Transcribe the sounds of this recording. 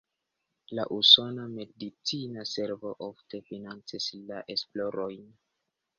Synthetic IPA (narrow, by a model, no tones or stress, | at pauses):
laʔuso̞name̞dit͡sinase̞ɾvo̞ʔofte̞finant͡sislaʔe̞splo̞ɾojn